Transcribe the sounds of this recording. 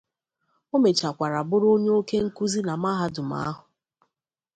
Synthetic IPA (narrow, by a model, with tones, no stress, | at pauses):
o˦me˨t͡ʃa˨kʷa˨ɾa˨bʊ˦ɾo˦ɲ˦o˦ke˦ŋ̩˦ku˦zi˦na˨ma˦ɦa˦dʊ˨m̩a̰˦a˦ɦʊ˨